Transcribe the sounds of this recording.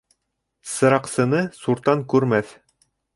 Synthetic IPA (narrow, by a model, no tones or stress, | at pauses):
sɤ̆ɾɑqsɤ̆nɤsuɾt̪ɑŋkʉɾmæθ